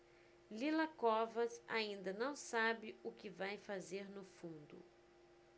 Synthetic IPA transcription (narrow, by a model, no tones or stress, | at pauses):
lilɐkɔvɐsa̰ĩnd̪ɐnɐ̃w̃sabɪʊkɪvajfazeɾnʊfũnd̪ʊ̰